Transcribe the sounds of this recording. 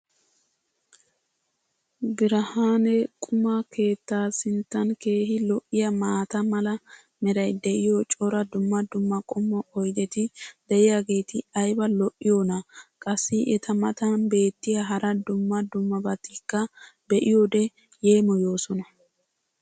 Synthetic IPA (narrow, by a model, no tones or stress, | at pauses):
bɪɾɐhaːnɛkʼʊmɐkʰe̞ːt̪ːaːsɪnt̪ːɐnke̞ːɦɪlɔʔɪjɐmaːt̪ɐmɐlɐ | mɛɾɐjd̪ɛʔɪjot͡ʃʼɔɾɐd̪ʊmːɐd̪ʊmːɐkʼɔmːɔʔɔjd̪ɛt̪ɪd̪̥ɛʔɪjaɡe̞ːt̪ɪɐjbɐlɔʔːɪjoːnɐkʼɐsːɪʔɛt̪ʰɐmɐt̪ɐnbe̞ːt̪ːɪjɐɦɐɾɐd̪ʊmːɐd̪ʊmːɐbɐt̪ːɪkːɐbɛʔɪjod̪ɛ | je̞ːmɔjo̞ːsɔnɐ